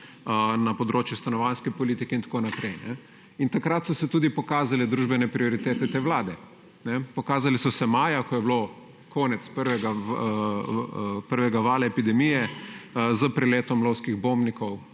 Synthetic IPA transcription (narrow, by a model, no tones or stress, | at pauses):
napɔd̪ɾoːt͡ʃjust̪anɔʋanskɛpɔlit̪ikɛint̪ḁkoːnapɾɛjnɛ | int̪akɾat̪sɔsɛt̪uːd̪ipɔkaːzalɛd̪ɾuːʒbɛnɛpɾiɔɾit̪eːt̪ɛt̪eːʋlaːd̪ɛ | nɛpɔkaːzalisɔsɛmaːjakɔjɛblo | kʰɔːnɛt̪spəɾʋɛɡa | pəɾʋɛɡaʋaːlaɛpid̪ɛmijɛ | zəpɾɛleːt̪ɔmloːwskiɣbombnikɔw